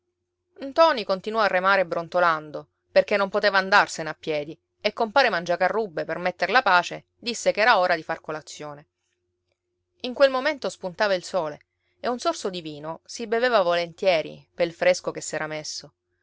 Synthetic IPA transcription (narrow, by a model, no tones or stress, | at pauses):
nt̪ɔːnikont̪inwɔarːemaːɾebːɾont̪oland̪o | perkenːompot̪eːvaːnd̪arseneapːjɛːd̪i | ekːompaːɾemand͡ʒakarːubːepermet̪ːeɾlapaːt͡ʃe | d̪isːekɛːɾaoːɾad̪ifarkolat̪sːjoːne | iŋkwelmoment̪ospunt̪aːvailsoːle | eunsorsod̪iviːnosibeveːvavolent̪jɛːɾḭpelfɾeskokesːɛːɾamesːo